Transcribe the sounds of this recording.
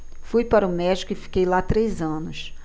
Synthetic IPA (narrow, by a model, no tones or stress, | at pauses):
fujpaɾʊmɛd͡ʒikʊɪfi̥kejlat̪ɾejzɐ̃nʊs